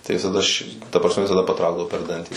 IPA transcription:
tɐɪ ʋʲɪsɐˈdɐ ʃʲɪ tɐ prɐsʲˈmʲɛ ʋʲɪsɐˈdɐ pɐˈtrɐʊɡdɐʋoː pʲɛr ˈdɐnʲtʲiː

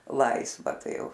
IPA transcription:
ˈlˠɐɪsʋɐ ˈtɐɪ ˈjɛʊ

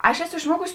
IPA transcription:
ˈɐʃ ˈæːˌsʊ ɪʃˈmuɔkʊs

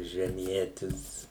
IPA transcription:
ʒʲɛˈmʲiɛtʲɪs

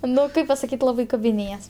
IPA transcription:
ˈnʊ ˈkɐɪp pɐsɐˈkʲiːtʲ ˈlˠɑːbɐɪ kɐbʲɪˈnʲeːjɛs

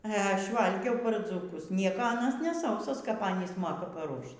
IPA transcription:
ɛ ˈɐʃ ˈʋɐlʲɡʲɛʊ pɐr d͡zuːˈkʊs ˈnʲiɛkoː ˈɑːnɐs nʲɛ ˈsɐʊsoːs kɐp ˈɑːnʲiːs ˈmoːkɐ pɐˈruɔʃt

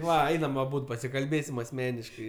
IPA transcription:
ˈʋɐ ˈɛɪnɐm ɐˈbuːt pɐsʲɪkɐlʲˈbʲeːsʲɪm ɐsʲˈmʲæːnʲɪʃkɐɪ

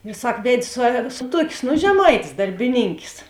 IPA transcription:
ɪr ˈsɐk ˈʋʲɛtʲ sʊ sʊ ˈtuɔkʲeːs nʊ ʒʲɛˈmɐɪtʲeːs dɐrʲbʲɪˈnʲiːŋʲkʲeːs

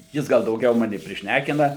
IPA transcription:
ˈjɪs ˈɡɐlˠ dɐʊˈɡʲɛʊ ˈmɑːnʲɪ pʲrʲɪʃʲˈnʲækʲɪnɐ

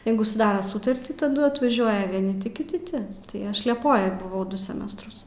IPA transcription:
ˈjɛɪɡʊ sʊˈdɑːroː ˈsʊtɐrʲtʲiː tɐˈdʊ ɐtʋɐˈʒʲuɔjɛ ʋʲiɛˈnʲɪ ˈtʲɪ kʲɪˈtʲɪ ˈtʲɪ tɐɪ ˈɐʃ lʲiɛˈpoːjoːj bʊˈʋɐʊ ˈdʊ sʲɛˈmʲæːstrʊs

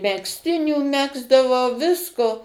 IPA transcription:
mʲɛksʲˈtʲɪnʲuː ˈmʲæːɡzdɐʋɐʊ ˈʋʲɪskoː

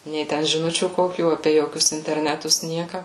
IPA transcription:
nʲɛɪ ˈtʲɛn ʒʲɪˈnʊt͡ʃʲuː ˈkoːkʲuː ˈɑːpʲeː ˈjoːkʲʊs ɪnʲtʲɛrʲˈnʲæːtʊs ˈnʲiɛkɐ

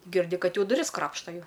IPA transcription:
ɡʲɪrʲˈdʲɪ ˈkɐt ˈjɛʊ dʊˈrʲɪs ˈkrɑːpʃtɐ ˈjɛʊ

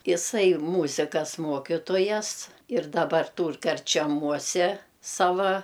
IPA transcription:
ɪˈsɐɪ ˈmuːzʲɪkɐs ˈmuɔkʲɪtoːjɛs ɪr dɐˈbɐr ˈtuːr kɐrʲt͡ʃʲɛˈmuɔsʲɛ ˈsɑːʋɐ

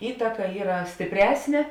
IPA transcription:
ˈiːtɐkɐ ˈiːrɐ sʲtʲɪpʲˈrʲæːsʲnʲeː

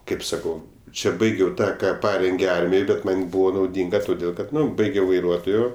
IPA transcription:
ˈkɐɪp sɐˈkɐʊ ˈt͡ʃʲɛ ˈbɐɪɡʲɛʊ ˈtɑː ˈkɑː ˈpɑːrʲɛŋʲɡʲeː ˈɐrʲmʲɪj ˈbʲɛt ˈmɐnʲ ˈbʊʋoː nɐʊˈdʲɪŋɡɐ toːˈdʲeːlˠ ˈkɐt ˈnʊ ˈbɐɪɡʲɛʊ ʋɐɪˈruɔtoːjoː

